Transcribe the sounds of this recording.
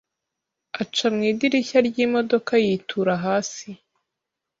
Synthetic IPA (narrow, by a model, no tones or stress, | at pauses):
at͡ʃamŋiːdiɾiçaɾɟiːmodo̞kʰajiːtʰuɾaɦaːsi